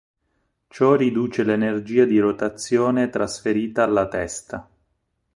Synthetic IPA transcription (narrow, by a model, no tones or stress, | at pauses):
t͡ʃɔrid̪uːt͡ʃelenerd͡ʒiːad̪iɾot̪at̪sːjoːnet̪ɾasfeɾiːt̪aːlːat̪ɛst̪a